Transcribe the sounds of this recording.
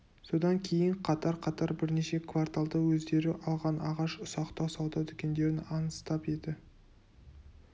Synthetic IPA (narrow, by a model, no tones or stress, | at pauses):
so̞d̪ɑŋkʲʰe̞jɪɴqʰɑt̪ɑɾqʰɑt̪ɑɾbɪɾne̞ʃe̞kʰvart̪alˠd̪əwɵzd̪e̞ɾɪʔɑlˠʁɑnɑʁɑʃʊsɑqt̪ɑwsɑwd̪ɑt̪ʰʏkʲe̞nd̪e̞ɾɪnɑnəst̪ɑpe̞d̪ɪ